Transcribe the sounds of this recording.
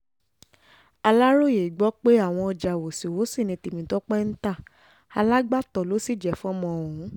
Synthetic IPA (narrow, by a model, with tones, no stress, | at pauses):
a˧la˦ɾo˦˨je˨i˨ɡ͡bɔ˨˦k͡pe˦a˦˨w̃ɔ̃˧ɔ˧d͡ʒa˨wo˨si˨wo˨˦si˦˨nĩ˧ti˨mĩ˨˦tɔ˦k͡pɛ˦n̩˦ta˦˨ | a˧la˦ɡ͡ba˦˨tɔ˨lo˨˦si˦˨d͡ʒɛ˨fɔ̃˦mɔ̃˧˨wũ˨˦